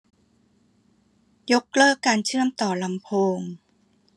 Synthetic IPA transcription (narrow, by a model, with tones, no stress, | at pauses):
jo˦˥k̚lɤː˥˩kːaː˧nt͡ɕʰɯ˥˩əmt̪ɔː˨˩la˨˧˦mpʰoː˧ŋ